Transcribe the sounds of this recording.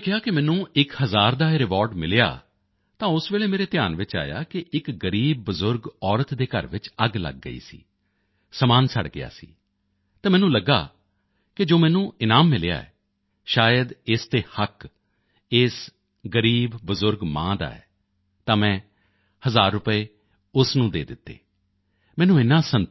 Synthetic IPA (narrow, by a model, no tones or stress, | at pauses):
kʰɪjaːkɪmɛ̃ːnũːɪkhəzaːɾd̪aːɾɪʋɔːɾɖmɪlja̰ː | t̪ãːʊsʋeːɭeːmeːɾeːt̪ɪjaːnʋɪt͡ʃa̰ːja̰ːkɪʔɪkɡəɾiːb̚ːəzʊɾɡɔːɾət̪d̪eːkə̰ɾʋɪt͡ʃəɡlə̰ɡ̚ːə̰ḭːsḭː | səmaːnsʰəɽɡɪ̰a̰ːsḭː | t̪ɛ̃ːmɛːnũːləɡːa̰ː | kɪd͡ʒoːmɛ̃ːnũːɪnaːmːɪlja̰ːɛ̰ː | ʃaːjəd̪ɪst̪eːhək | ɪs | ɡəɾiːbbəzʊɾɡmã̰ːd̪a̰ːɛ̰ː | t̪ãːmɛ̃ː | həzaːɾːʊpəeː | ʊsnũːd̪ḛːd̪ɪt̪ːḛː | mɛːnũːɪnːãːsən